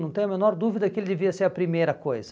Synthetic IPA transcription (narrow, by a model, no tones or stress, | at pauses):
nɐ̃w̃t̪ẽj̃ɐmẽnɔɾd̪uvid̪ɐkɪelɪd̪eviɐseɾɐpɾimejɾɐkojzɐ